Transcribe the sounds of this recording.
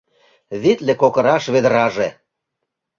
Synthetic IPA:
βit̪lekokə̆ɾɑʃβed̪əɾɑʒe

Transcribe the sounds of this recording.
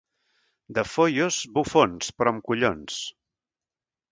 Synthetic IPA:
d̪əfojozbufonspɾɔmkuʎons

